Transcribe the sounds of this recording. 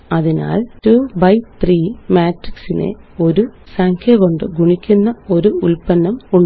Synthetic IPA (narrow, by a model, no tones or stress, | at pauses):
ɐðina̰ːltuːbɐjt̪riːmaːʈriksine̞̰ | o̞ɾu | saːŋkʰjɐɣo̞ɳɖɨɡuɳikʲːunːɐo̞ɾuulpɐnːɐmuɳ